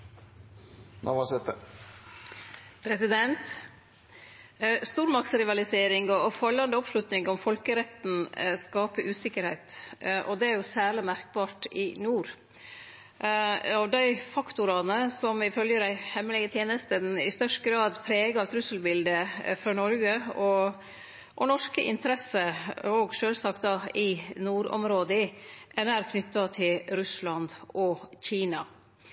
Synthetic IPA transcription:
nʔoʋɑsɛt̪ːə | pʰɾɛsɪd̪ɛnt̪ | st̪uːɾmɑkt̪sɾɪʋɑlɪseːɾɪŋɔfɑlːɑnd̪əɔpʂlʉt̪nɪŋɔmfɔlkəɾɛt̪n̩skɑːpəʔʉːsɪkːəɾhæɪt̪ʔɔd̪ɛæɾjʊsæːɭɪmæɾk̚bɑːʈɪnuːɾ | ɔd̪æɪfɑkt̪ʊɾɑnəsɔmɪfœljəd̪æɪhɛmːəlɛɡət̪ʰjeːnəst̪ənɪst̪œʂtəɡɾɑːd̪pʰɾeːɡɑɛt̪ʰɾʉsl̩bɪld̪əfɾɑːnɔɾɡəɔ | ʔɔnɔʂkəʔɪ̰nt̪əɾɛsəɔɡʂøːlsɑk̚t̪̚d̪ɑɪnuːɾɔ̰mɾoːd̪əɪænæːɾkʰnʏt̪ːɑt̪ʰɪlɾʉslɑnd̪ɔçiːnɑ

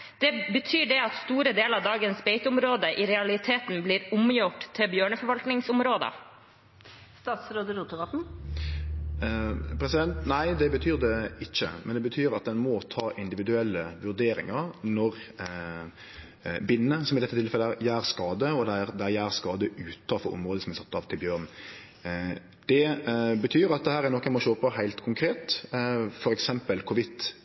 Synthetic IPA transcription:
d̪̥ɛbət̪ʰyːɖɛɑt̪st̪uːɾəd̪eːlɑʋd̪ɑːɡənsbeɪt̪ʊmɾoːd̪əʔɪɾɛɑlɪt̪ʰeːt̪n̩bliːɾʊmjʊʈt̪ʰːɪbjøːɳəfɔɾʋɑlt̪nɪŋsʊmɾoːd̪ə̰ | st̪ɑːt̪sɾoːd̪əɾuːt̪əʋɑt̪n̩ | pʰɾɛsɪd̪ɛnt̪næɪd̪ɛbət̪ʰyːɾd̪ɛɪçːə̰mʔɛ̰nd̪ɛbət̪ʰyːɾɑt̪̚d̪ɛnmɔt̪ʰɑːʔɪnd̪ɪʋɪd̪ʉɛlːəʋʉɾd̪eːɾɪ̰ŋɑɾnɔɾ | bɪnːəsɔmɪd̪ɛt̪ːət̪ɪlfɛlːəæɾjæːɾskɑːd̪əɔd̪ɛæɾd̪ɛæjæːɾskɑːd̪əʉːt̪ʰɑfɔɾɔ̰mʁoːd̪əsɔmæɪsɑt̪ːɑʋt̪ʰɪlbjøːʁn | d̪̥ɛbət̪ʰyːɾɑt̪̚d̪ɛhæːɾæɾnɔkːəæmɔʃoːpʰɔhæɪlt̪kʰʊŋkʰɾeːt̪ | fɔɾɛksɛmpəlkʰʊʋɪt̪

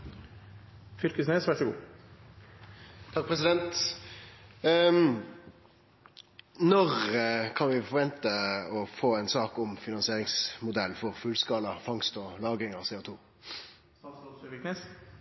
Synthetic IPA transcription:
fʏlkəsneːsʋæʂɔɡṵː | t̪ʰɑk̚pʰʁɛs̬ɪd̪ɛnt̪ | nɔʁkʰɑnʋɪfɔʁʋɛnt̪əɔfoːɛɪnsɑːkʊmfɪnɑnsɪeːɾɪŋsmʊd̪ɛlːfɔʁfʉlskɑːlɑfɑŋst̪ɔlɑːɡʁɪŋɑseːʊt̪ʰuː | ɪknes

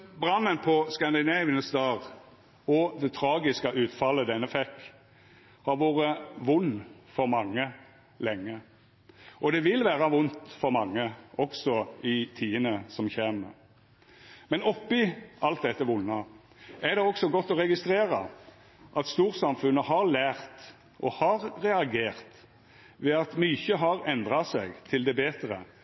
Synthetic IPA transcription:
bɾɑnːənpʰɔskɑnd̪ɪneʋənəsd̪ɑːʁ | ɔd̪ɛt̪ʰɾɑːɡɪskɑʔʉːt̪fɑlːəd̪ɛnːəfɛkː | hɑɾʋoːɾəʋʊnːfɔɾmɑŋːə | lɛŋːə | ʔɔd̪ɛʋɪlʋæːʁɑʋʊnt̪fɔɾmɑŋːəʔɔksɔɪt̪ʰiːənəsɔmçeːmə̰ɾ | mɛnɔpːɪʔɑlt̪̚d̪ɛt̪ːəʋʊnːɑ | æd̪ɛɔksɔɡɔt̪ːɔɾɛɡɪst̪ɾeːɾɑ̰ | ʔɑt̪st̪uːɾsɑmfʉnːəhɑɾlæːʁt̪ | ʔɔhɑʁːɛɑɡeːʁt̪ | ʋɛːɑt̪myːçəɦɑɾɛnd̪ʁɑsɛɡt̪ʰɪld̪ɛbeːt̪ɾə̰

